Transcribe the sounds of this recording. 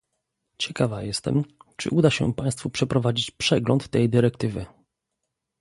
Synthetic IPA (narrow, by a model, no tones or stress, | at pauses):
t͡ɕɛkavajɛst̪ɛ̰mt͡ʂɘ̰ʔud̪aɕɛ̰paj̃st̪fupʂɛpɾɔvad͡ʑit͡ɕpʂɛɡlɔnt̪ːɛjd̪ɘɾɛk̚t̪ɘvɘ̰